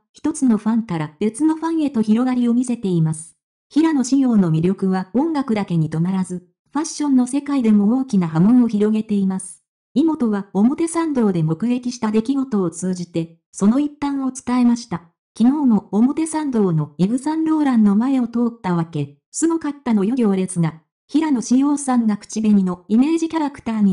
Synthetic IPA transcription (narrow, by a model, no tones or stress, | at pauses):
çi̥t̪o̞t͡sɨno̞ɸãŋkaɾab̥e̞t͡sɨno̞ɸãɰ̃e̞t̪o̞çiɾo̞ɡaɾʲio̞mʲise̞t̪e̞imasɨ̥ | çiɾano̞ɕiɡʲo̞ːno̞mʲiɾʲo̞kɯ̟βaõ̞ŋɡakɯ̟d̪ake̞ɲ̟it̪o̞naɾazɨ | ɸaɕːõ̞nːo̞se̞kaid̪e̞mo̞oːkʲinaɦamõ̞ɰ̃o̞çiɾo̞ɡe̞t̪e̞imasɨ̥ | imo̞t̪o̞β̞aomo̞t̪e̞sãnd̪o̞ːd̪e̞mo̞kɯ̟ɡe̞kʲiɕi̥t̪ad̪e̞kʲiɡo̞t̪o̞ːt͡sɨːʑit̪e̞ | so̞no̞ipːãɰ̃o̞t͡sɨ̥t̪ae̞maɕi̥t̪a | kʲino̞ːno̞ːmo̞t̪e̞sãnd̪o̞ːno̞ibɯ̟sãnɾo̞ːɾãnːo̞mae̞o̞t̪o̞ːt̪ːaβake̞ | sɨɡokat̪ːano̞joɡʲo̞ːɾe̞t͡sɨɡa | çiɾano̞ɕijo̞ːsãŋɡakɯ̥t͡ɕibe̞ɲ̟ino̞ime̞ːʑikʲaɾakɯ̟̥t̪aːɲ̟i